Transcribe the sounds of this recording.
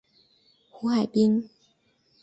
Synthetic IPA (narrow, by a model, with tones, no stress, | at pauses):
xu˧˥xa˨˩ɪpi˥ŋ